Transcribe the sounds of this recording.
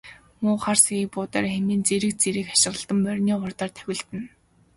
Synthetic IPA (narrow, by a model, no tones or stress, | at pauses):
mʊːχarsipʊːt̪arxemiːnt͡seɾɘ̆k̚t͡seɾɘ̆kḁʃɪ̆ʁə̆ɮt̪ə̆mpœrʲniːχʊrt̪ɔːrt̪ʰœ̥wʲɪ̆ɮt̪ɘ̆n